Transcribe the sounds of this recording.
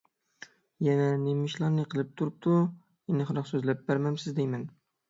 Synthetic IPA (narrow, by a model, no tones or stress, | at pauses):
jɛnɛnemɪʃlˠɑɾnɨqʰəlˠɪp̚t̪ʰuɾup̚t̪ʰu | enɨχɾɑqsøzlæp̚bæɾmæmsɪzd̪ejmɛn